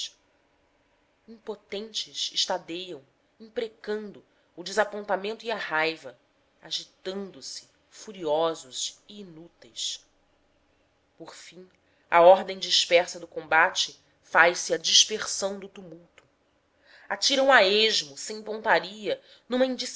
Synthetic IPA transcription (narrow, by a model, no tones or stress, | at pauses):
ĩpot̪ẽnt͡ʃɪsɪʃt̪ad̪ejɐ̃w̃ | ĩŋpɾekɐ̃nd̪ʊː | d͡ʒɪzapõnt̪amẽnt̪ʊiɐhajvɐ | aʒit̪ɐ̃nd̪ʊsɪ̥ | fuɾiɔzʊziːnut̪ejs | poɾfĩ | ɐ̰ɔɾd̪ẽj̃d͡ʒiʃpɛɾsɐd̪ʊkõbat͡ʃɪ | fajsɪɐd͡ʒiʃpeχsɐ̃w̃d̪ʊt̪umuwt̪ʊ̥ | at͡ʃiɾɐ̃w̃aeʒmʊsẽj̃põnt̪aɾiɐ | nũmɐĩnd͡ʒis